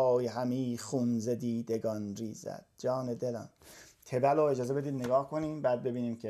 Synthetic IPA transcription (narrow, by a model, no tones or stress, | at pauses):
jhæmiːxunzed̪iːd̪eɡɒnriːzæ̰d̪̚d͡ʒɒːned̪elɒ̰ːnt̪ʰe̞bæloːed͡ʒɒːze̞be̞d̪iːd̪neɡɒːhkʰoniːmbæːd̪̚be̞biːniːmcʰe